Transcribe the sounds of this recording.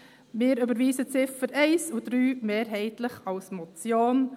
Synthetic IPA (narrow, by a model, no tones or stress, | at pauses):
mɪːɾʏbəɾʋiːzət͡sɪfəɾɛɪsudɾyːmeːɾɦɛɪtləχɑlsmɔt͡sjoːn